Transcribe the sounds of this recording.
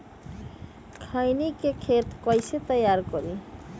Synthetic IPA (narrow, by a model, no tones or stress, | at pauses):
kʰajnikekʰet̪kɔjset̪əjaɾkɔɾi